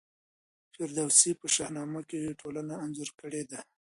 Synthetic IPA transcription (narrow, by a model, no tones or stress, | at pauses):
feɾd̪awsipəʃahnɑmakeweʈʰolanaːnzoɾkəɽed̪a